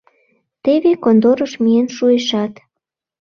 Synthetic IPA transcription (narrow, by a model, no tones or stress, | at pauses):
t̪eβekond̪oɾəʃmienʃueʃɑt̪